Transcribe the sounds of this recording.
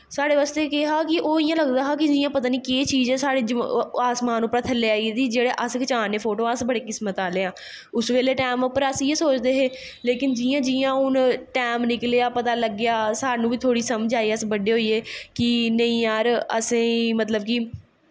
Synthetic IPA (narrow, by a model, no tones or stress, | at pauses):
saːɽeːʋaːst̪eːkeɦaːkɪʔoːɪjãːləɡd̪aːɦaːkɪd͡ʒɪjãːpət̪aːniːkeːt͡ʃiːzɛːsaːɽeːd͡ʒaːsmaːnʊpːɾaːt̪ʰəlːeːaːied̪iːd͡ʒeːɽeːʔəskət͡ʃaːneːpʰoːʈoːãsbəɽeːkɪsmət̪aːleːãː | ʊsʋeːleːʈɛːmopːəɾəsieːsoːt͡ʃd̪eːɦeː | leːkɪnd͡ʒɪjãːd͡ʒɪjãːʊnʈɛːmnɪklejaːpət̪aːləɡːejaːsaːnũːʋiːt̪ʰoːɽiːsəməd͡ʒaːiːəsbəɖeːɦoːiːeːkɪnəĩːaːɾə̰sĩːmət̪ləb̚kɪ